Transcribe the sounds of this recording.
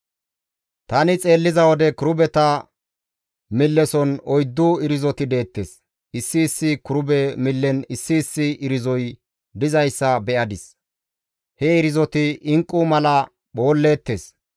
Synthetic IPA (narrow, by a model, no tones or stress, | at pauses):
t̪ɐnɪt͡sʼe̞ːlːɪzɐwɔd̪ɛkʊɾʊbɛt̪ɐ | mɪlːɛsɔnɔjd̪ːuɪɾɪzɔt̪ɪd̪e̞ːt̪ːes | ɪsːɪːsːɪkʊɾʊbɛmɪlːɛnɪsːɪːsːɪʔɪɾɪzɔj | d̪ɪzɐjsːɐbɛʔɐd̪ɪs | hɛɪɾɪzɔt̪ɪɪŋkʼːumɐlɐ | ɓo̞ːlːe̞ːt̪ːe̞s